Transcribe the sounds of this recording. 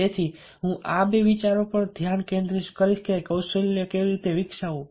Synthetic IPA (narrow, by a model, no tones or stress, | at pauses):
et̪ʰi | ɦũʔabeʋit͡ʃaɾopəɾd̪ʱjankẽnd̪ɾiʃkəɾiʃkekəwsəlekeʋiɾit̪eʋɪkʃaũ